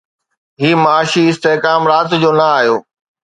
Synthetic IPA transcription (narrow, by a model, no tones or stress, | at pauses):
ɦiːmaːʃiɪst̪eɦkaːmɾaːt̪d͡ʑoːnɐaːɦjoː